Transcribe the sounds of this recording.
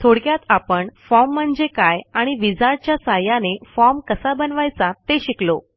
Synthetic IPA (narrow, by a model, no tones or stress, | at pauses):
t̪ʰoɽkjat̪apəɳfɔm̤ːəɳd͡zekajaɽ̃iʋid͡zaɾt͡ɕjasajanefɔmkəsabənʋajt͡sat̪eɕiklo